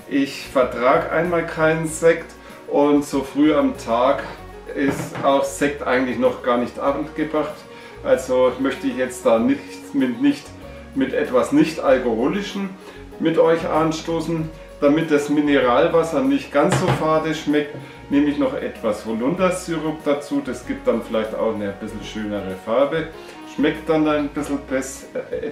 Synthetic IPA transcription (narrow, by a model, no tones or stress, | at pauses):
ʔɪçfɛɐtʁ̥aːɡʔa̰ɪnmaːlkʰaɪnənzɛkt | ʔʊntz̥oːfʁ̥yːamtʰaːk | ɪstaʊxz̥ɛk̚tʔa̰ɪɡŋ̩tlɪçnɔχɡ̥aːɐnɪçtʔa̰ːbn̩tɡ̥əbʁaχt | ʔalzomœçtəɪçjɛt͡std̥aːnɪçtmɪtnɪçt | mɪtʔɛtv̥asnɪçtalkohoːlɪʃəm̩ | mɪtʔɔʏçʔanʃtoːsn̩ | d̥amɪt̚d̥asmɪnəʁaːlvasɐnɪçt̚ɡ̥ansz̥oːfaɐdəʃmɛk̚t | neːməɪçnɔχʔɛ̰tv̥asholʊndɐt͡syʁʊkd̥at͡suːd̥asɡ̥iːp̚t̚d̥anfɪlaɪçta̰ʊxnəb̥ɪsl̩ʃøːnəʁəfaɐbə | ʃmɛktd̥andanbɪsl̩bɛs